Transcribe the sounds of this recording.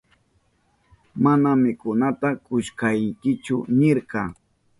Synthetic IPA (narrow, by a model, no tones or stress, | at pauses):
manamɪkʊnat̪akʊʃkajŋkɪt͡ʃʊnɪɾqɑ